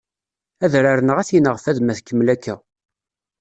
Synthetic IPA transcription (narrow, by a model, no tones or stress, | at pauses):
æðɾaɾənəʁæθinəʁfæðmæθkːəmlækːæ